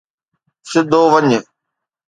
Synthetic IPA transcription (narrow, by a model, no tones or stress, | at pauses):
sɪd̪ʱoːʋəɲ